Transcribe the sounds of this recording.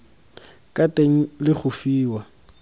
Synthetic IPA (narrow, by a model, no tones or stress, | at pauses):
kʼatʼeŋ̩lɪk͡xʰʊfiːwa